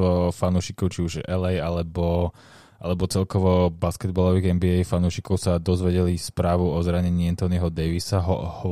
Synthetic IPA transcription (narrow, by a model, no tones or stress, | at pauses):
ʋɔfanuːʃikɔʊt͡ʃiuʒɛlɛjalɛbɔ | ʔalɛbɔt͡sɛlkɔʋɔbaskɛd̪̚bɔlɔʋiːɣɛnbiɛjfanuʃikɔʊsad̪ɔzʋɛɟɛlispɾaːʋuɔzɾaɲɛɲiːɛnt̪ɔniɦɔd̪ɛjʋisaɦhɔ